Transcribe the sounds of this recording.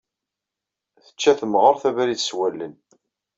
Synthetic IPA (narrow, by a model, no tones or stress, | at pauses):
θə̥t͡ʃːæθəmʁəɾθævæɾiθswælːən